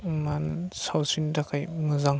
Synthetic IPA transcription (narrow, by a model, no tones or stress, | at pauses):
mansawsindakʰajmɯzaŋ